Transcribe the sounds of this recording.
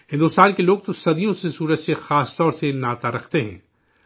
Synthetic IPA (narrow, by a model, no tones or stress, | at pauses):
hɪ̃nd̪ʊst̪aːnkeloːɡ̚t̪osɐd̪ijõsesuːɾət͡ʃsexaːst̪ɔːɾsenaːt̪aɾɐkʰt̪eɦɛ̰̃ː